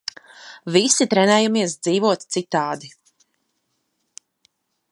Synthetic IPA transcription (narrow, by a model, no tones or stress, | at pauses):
visit̪ɾɛnɛːjumiɛs̬d̪ziːvuɔt̪t̪sit̪aːd̪i